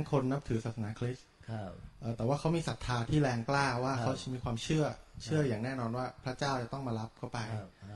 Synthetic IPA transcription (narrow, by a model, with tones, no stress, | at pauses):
nkʰo˧nːa˦˥p̚t̪ʰɯː˩˦sa˨˩t̪sa˧naː˩˦kʰli˦˥sʰ | ʔɤː˨˩t̪ɛː˨˩waː˥˩kʰa˦˥wmiː˧sa˨˩t̪ʰːaː˧t̪ʰiː˥˩lɛː˧ŋklaː˥˩waː˥˩kʰa˦˥wt͡ɕa˨˩miː˧kʰwaː˧mt͡ɕʰɯ˥˩ɐt͡ɕʰɯ˥˩ɐjaː˨˩ŋnɛː˥˩nɔː˧nwaː˥˩pʰɾa˦˥t͡ɕaː˥˩wt͡ɕa˨˩t̪ɔ˥˩ŋmaː˧la˦˥p̚kʰa˥˩pa˧j